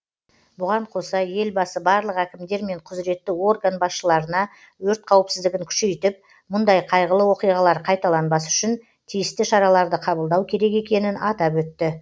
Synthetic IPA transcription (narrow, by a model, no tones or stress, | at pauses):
bʊʁɑɴqʰo̞sɑje̞lbɑsəbɑɾlˠəqækʲɪmd̪e̞ɾme̞ɴqʰʊzɾe̞t̪ːɪo̞rɡanbɑsʃəlˠɑɾənɑ | wɵɾt̪̚qʰɑwəpsɪzd̪ɪɡʲɪŋkʲʰʏ̥ʃe̞jt̪ɪp̚ | mʊnd̪ɑjqʰɑjʁəlˠəwo̞qijʁɑlˠɑɾqʰɑjt̪ɑlˠɑnbɑsʏ̥ʃɪn | t̪ʰijɪst̪ɪʃɑɾɑlˠɑɾd̪əqʰɑbəlˠd̪ɑwkʲʰe̞ɾe̞ke̞kʲe̞nɪnɑt̪ɑpwɵt̪ːɪ